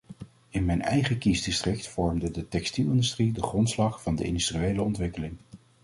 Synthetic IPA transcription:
ɪnmɛjnɛ̰jχəkizdɪstrɪktfɔɹmdədətɛkstilˠɪndystridəχrɔntslɑχfɑndəɪ̰ndystriejləɔntʋɪkəlɪŋ

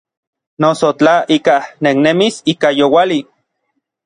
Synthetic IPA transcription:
nosot͡ɬaʔikaneknemisikajowali

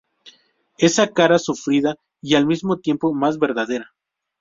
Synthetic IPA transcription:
e̞sakaɾasufɾiða | ialmizmo̞t̪je̞mpo̞mazβe̞ɾðaðe̞ɾa

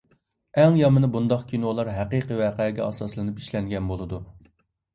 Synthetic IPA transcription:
ɛŋjɑmɨnɨbund̪ɑqkʲʰinolˠɑɾɦɛqiqiwɛqʰɛɡʲɛ̰ɑ̰sɑslˠɨnɨpi̥ʃlɛŋɡʲɛnbolˠɨd̪u

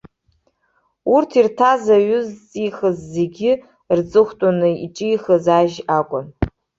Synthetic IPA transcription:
urtʰirtʰazaɥʊzt͡sʼiχəzːe̞ɡʲɪ | rt͡sʼɨχʷtʼunɨḭʈ͡ʂʼijχəzaʒakʷʼʊn

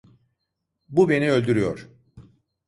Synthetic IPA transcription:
bube̞niølʲd̪yɾyjoɾ̥

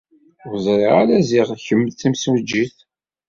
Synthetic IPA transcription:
əzˤɾˤeʁa̰læziʁçəmːd̪θimsuwd͡ʒːiθ

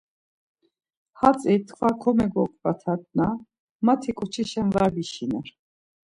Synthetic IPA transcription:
hat͡sʼit̪ʰχvakʰɔmɛɡɔkʼbat̪ʰat̪̚ʼna | mat̪ʰikʼɔt͡ʃʰiʃanvaɾbiʃinɛɾ

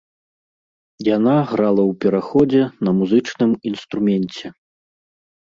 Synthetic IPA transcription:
janaɣɾalˠɐwpʲɛɾaxɔd͡zʲɛnɐmuzɨt͡ʂnɨminst̪ɾumʲɛnʲt͡sʲɛ

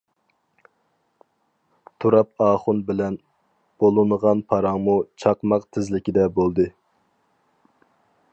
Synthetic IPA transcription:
t̪ʰuɾɑp̚ɑːχʊnbɪlɛn | b̥olˠɨnəʁɑnpʰɑɾɑŋmut͡ʃʰɑqmɑqt̪ʰɪzlɪkʲid̪ɛbolˠd̪ɨ

